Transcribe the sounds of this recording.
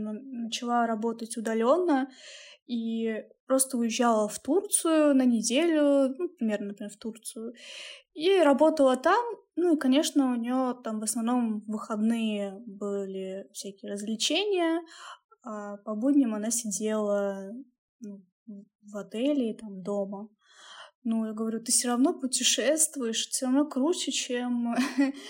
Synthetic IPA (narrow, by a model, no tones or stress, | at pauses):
nnət͡ɕɪlˠaɾɐbo̞t̪ətʲʊd̪ɐlʲo̞nːə | ipɾo̞st̪əʊjɪʑːalˠəft̪urt̪sɨjʊnənʲɪdʲelʲʊnupɾʲɪmʲernənpɾʲɪmʲeft̪urt̪sɨjʊ | iɾɐbo̞t̪əlˠət̪am | nuikɐnʲe̞ʂnəʊnʲɪjo̞t̪amvəsnɐvno̞mvɨxɐd̪nɨjəbɨlʲɪfsʲækʲɪjəɾəzʲvlʲɪt͡ɕenʲɪjə | apɐbudʲnʲɪmɐnasʲɪdʲe̞lˠə | nu | vɐt̪ɛlʲɪt̪amd̪o̞mə | nujaɡəvɐɾʲut̪ɨfsʲoɾɐvno̞pʊtʲɪʂɛst̪vʊjɪʂsʲoɾɐvno̞kɾusʲɪt͡ɕem